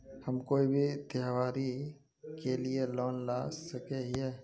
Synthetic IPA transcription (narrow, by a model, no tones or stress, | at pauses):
hɐmkoːibʱit̪jaɦʋaːɾi | kelielɔːnlasɐkeɦɦɛː